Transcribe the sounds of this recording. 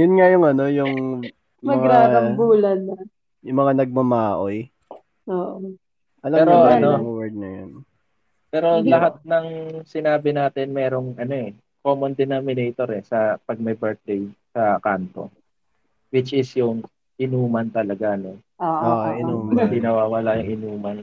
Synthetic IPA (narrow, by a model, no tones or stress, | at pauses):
jʊnŋajʊŋɐno̞jʊŋ | mɐɡŋaɐmbuːlɐnɐ | jʊŋmɐŋanɐɡ̚mɐmaːʔoj | oːʔo | pɐlaɛːɾoʔɐnowɛɹd̪̚nɐjo̰n | pɛːɾo̞lɐɦat̪̚nɐŋsɪnaːbɪnaːt̪ɪnmɛːɾo̞ŋʔɐno̞ɛ | ko̞ːmond̪ɪnomɪnɛjt̪o̞ɾɛsɐpɐɡ̚mɐjbɛɹt̪̚d̪ejsɐkant̪o̞̰ | wɪt͡ʃʔɪsjʊŋ | ʔɪnuːmɐnt̪ɐlɐɡano | oʔoʔɪnuːmd̪ɪnɐwaːwɐlajʊŋʔɪnuːmɐn